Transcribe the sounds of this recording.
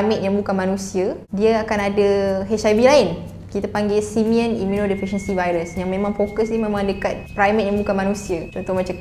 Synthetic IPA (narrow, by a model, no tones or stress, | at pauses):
mit̪jaŋbukanmanũsiə | diaakanadəɦɛʃabilaɪn | kit̪apaŋɡɪlsimiənimunodipɾiʃənsivajɾəsjaŋmẽmãŋfokəs̬nimẽmãŋdəkat̪̚pɾajmɛt̪̚jaŋbukanmanũsiət̪ɔnt̪ʊhmãt͡ʃa